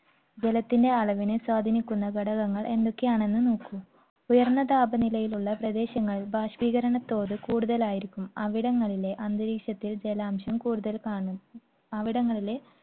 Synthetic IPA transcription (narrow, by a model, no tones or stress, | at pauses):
d͡ʑelɐt̪ːinde̞ɐɭɐʋinɨswaːd̪ʱɐnikʲːunːɐɡɐɽɐɣɐŋːɐɭʔe̞nd̪okːejaːɳe̞nːɨnuːkːum | ujɐrnːɐd̪aːbɐnilɐjiluɭːɐprɐd̪e̞ːɕɐŋːɐɭbʱaːɕʋiːɣɐɾɐɳɐt̪ːo̞ːðɨkuːɽuðɐlaːjiɾikʲːumɐʋiɽɐŋːɐɭile̞ʔɐnd̪ɨɾiːkʂɐt̪ːild͡ʑelaːmɕɐmkuːɽuðɐlkaːɳum | ɐʋiɽɐŋːɐɭile̞